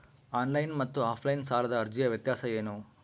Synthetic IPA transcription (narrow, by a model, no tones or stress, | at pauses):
aːnlɐjnmɐt̪ːuaːpʰlɐjnsaːlɐd̪ɐːɾd͡ʒijɐʋjɐt̪jaːsɐeːnu